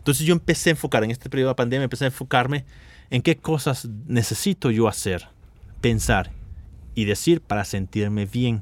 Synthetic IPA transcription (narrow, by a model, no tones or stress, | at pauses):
nt̪onsezʝoempe̞seaeɱfo̞kaɾeŋest̪epeɾjoapand̪emjaempeseaeɱfo̞kaɾmeː | ŋke̞ko̞saznese̞sit̪oʝo̞aseɾ | pe̞nsaɾiðe̞siɾpaɾase̞nt̪iɾme̞βje̞ŋ